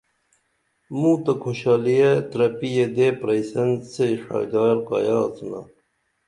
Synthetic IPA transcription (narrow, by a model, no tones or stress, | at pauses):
mũt̪ɐkʰoɕɑːlijet̪ɾɐpijed̪eːpɾɐjsɐnseʂɑ̰ːjd̪ɑːɾqɑ̰jɑːt͡suna̰